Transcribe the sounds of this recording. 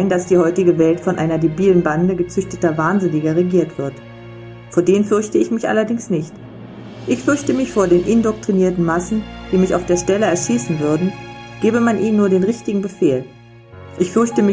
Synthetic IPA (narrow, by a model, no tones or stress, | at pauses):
ɪndasd̥iːhɔʏtɪɡəvɛltfɔnʔa̰ɪnɐdebiːlənbandəɡət͡sʏçtətɐvaːnzɪnɪɡɐʁeɡiːɐtv̥ɪɐt | foːɐdeːnfʏɐçtəɪçmɪçʔa̰lɐdɪŋsnɪçt | ʔɪçfʏɐçtəmɪçfoːɐdeːnʔɪndɔk̚tʁ̥iniːɐtn̩masn̩d̥iːmɪça̰ʊfd̥eːɐʃtɛləɛɐʃiːsn̩vʏɐdn̩ɡ̥eːbəmanʔiːnːuːɐɾeːnʁɪçtɪɡŋ̩bəfeːl | ʔɪçfʏɐçtəmɪ